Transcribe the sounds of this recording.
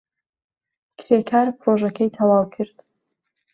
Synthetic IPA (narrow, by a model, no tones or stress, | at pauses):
kʰɾekʰaːɾpʰɾoʒɐkʰɐjt̪ʰɐwaːwkʰɨɾd̪̥